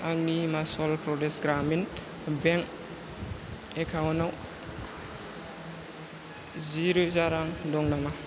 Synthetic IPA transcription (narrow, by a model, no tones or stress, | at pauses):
aŋnimasɔlpɾɔdesɡɾamin | beŋk | ekʰawnaw | ziɾuzaɾaŋdɔŋnama